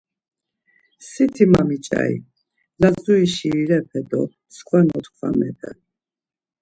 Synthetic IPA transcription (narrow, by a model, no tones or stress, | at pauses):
sit̪ʰimamit͡ʃʼa̰i | lazuiʃiiɾɛpʰɛd̪ɔ̰ | skʰʼwanɔt̪kʰwa̰mɛp̪ʰɛ̰